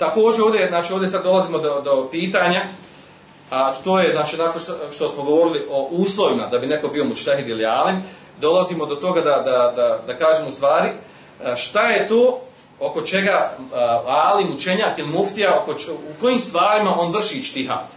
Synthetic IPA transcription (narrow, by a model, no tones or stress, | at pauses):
t̪ako̞ːd͡ʒeoːʋd̪ʲe̞znaːt͡ʃioʋd̪ʲesad̪dːo̞laziːmo̞d̪od̪o̞piːt̪aːɲa | at̪oːje̞znaːt͡ʃiːnakonʃt̪osmoɡo̞ʋo̞ɾiliʔoʔuːslˠo̞ʋimad̪abine̞ko̞bio̞muʃt̪eɦid̪iliaːlin | d̪o̞laziːmo̞d̪o̞t̪o̞ɡad̪ad̪ad̪ad̪akaːʒeːmust̪ʋaːɾi | ʃt̪aje̞t̪oː | oko̞t͡ʃe̞ɡa | aːlimut͡ʃe̞ɲaːkilimuft̪ijaokouko̞jiːmst̪ʋaːɾimaʔo̞nʋr̩ʃiːt͡ʃt̪iɦa̰ːt̪